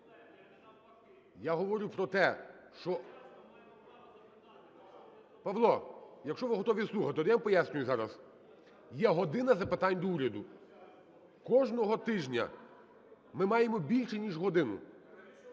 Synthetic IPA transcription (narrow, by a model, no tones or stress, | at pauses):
jaɦɔʋɔɾʲupɾɔt̪ɛʃt͡ʃɔ | pɐʋlˠɔjɐkʃt͡ʃɔʋɪɦɔt̪ɔʋʲislˠuxɐt̪eɔd̪ɪjampɔjasʲnʲʊjʊzɑɾɐz | jɛɦɔd̪ɪnɐzɐpet̪ɑnʲd̪ɔuɾʲɐd̪ʊ | kɔʒnɔɦɔt̪ɪʒnʲɐ̰ | mɪmɑjemɔbʲilʲʃɛnʲiʒɦɔd̪ɪnʊ̰